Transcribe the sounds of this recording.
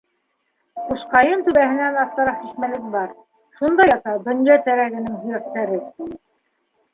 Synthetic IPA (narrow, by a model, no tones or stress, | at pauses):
quʃqɑjɤnt̪ʉβæɦɘ̆nænɑθɑɾɑqsiʃmælɘkɘbɑɾ | ʃund̪ɑjɑt̪ɑd̪ŏnjɑt̪æɾæɡɘ̆nɘŋɦŏjɑq̚t̪æɾɘ